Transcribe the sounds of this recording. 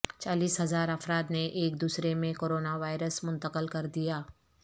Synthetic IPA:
t͡ʃaːliːsɦɐzaːɾɐfɾaːd̪neʔeːk̚d̪uːsɾemẽkoːɾoːnaʋaːɪɾəsmʊ̃nt̪əqəlkɐɾd̪ijaː

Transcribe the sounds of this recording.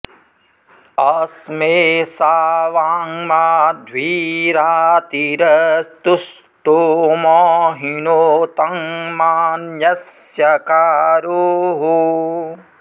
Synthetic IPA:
ɐsmeːsaːʋaːŋmaːd̪ʱʋiːɾaːt̪iɾɐst̪us | t̪omɔːɦinoːt̪ɐŋmaːnjɐsjɐkaːɾoɦu

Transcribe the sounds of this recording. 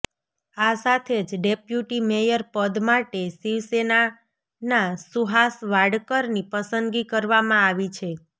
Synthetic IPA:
asat̪ʰed͡ʒɖepjuʈimejəɾpəd̪maʈesiʋsena | nasuɦasʋaɽkəɾnipəsənɡikəɾʋamãaʋit͡ʃʰe

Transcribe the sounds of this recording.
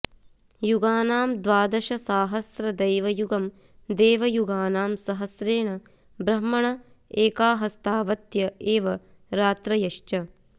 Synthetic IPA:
juɡaːnaːmd̪ʋaːd̪ɐʃɐsaːɦɐsɾɐd̪ɐjʋɐjuɡɐm | d̪eːʋɐjuɡaːnaːmsɐɦɐsɾeːɳɐ | bɾɐmːɐɳɐ | eːkaːɦɐst̪aːʋɐt̪jɐeːʋɐ | ɾaːt̪ɾɐjɐʃt͡ʃɐ

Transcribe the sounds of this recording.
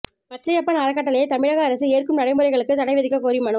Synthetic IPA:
pɐtrɐjɐpːɐnaːɾɐkːɐʈ̬ːɐlɐjet̪ɐmɪɻɐɣɐːɾɐsɯeːrkɯmnɐɽɐɪmɯɾɐɪɣɐɭɯkːɯt̪ɐɽɐɪʋɐðɪkːɐkoːɾɪjɯmɐɳɯ

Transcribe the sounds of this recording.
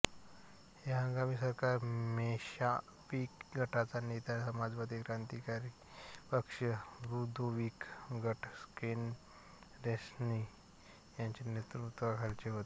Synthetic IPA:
heɦə̃ŋɡamiːs̬əɾkaɾmeɕa | ʋikɡʱəʈʰat͡sanet̪asəmad͡zʋad̪ikɾãnt̪ikaɾi | pəkʂəɾud̪uʋiːkɡʱəʈʰsken | ɾesni | jãɲt͡ɕenet̪ɾut̪ʋəkʰalt͡ɕeɦot̪e

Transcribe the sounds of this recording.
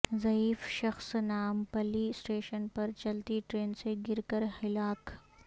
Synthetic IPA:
zɐiːfʃɐxsnaːmpɐlisʈeːʃənpɐɾt͡ʃɐlt̪iʈɾeːnseɡɪɾkəɾhɪlaːk

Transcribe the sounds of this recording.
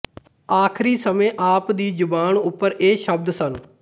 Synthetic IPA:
aːkʰɾiːsəmẽːʔaːpd̪iːd͡ʒʊbaːɳʊpːəɾeːʃəb̚d̪sən

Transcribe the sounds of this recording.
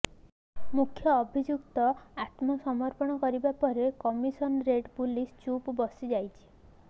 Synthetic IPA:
mukʰjɔːbʱid͡ʒukt̪ɔat̪mɔsɔmɔɾpɔɽ̃ɔkɔɾibapɔɾekɔmisɔnɾeʈpulist͡ʃupbɔsid͡ʒajt͡ʃʰi̥

